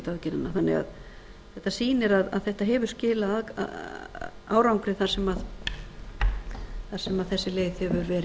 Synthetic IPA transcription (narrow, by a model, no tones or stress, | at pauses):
t̪aðcɪɾanːaθanːɛ̰ɣa̰ð | θɛht̪ːasiːnɪɾaða̰ðθɛht̪aɦɛːvʏ̥scɪːlaað̰ | a̰ːwɾawŋkɾɪθaɾ̥sɛmað | θaɾ̥sɛmaðθɛsːɪleːjðhɛvʏɾvɛːɾɪ